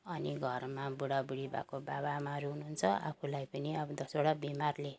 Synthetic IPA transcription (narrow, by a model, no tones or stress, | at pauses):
ʌniɡʱʌrmabuɽabuɽiba̰kobabamaʌɾuɦunuɦunt͡sʰʌa̰pʰulajpʌniʌbʌd̪ʌsʌɽabimarle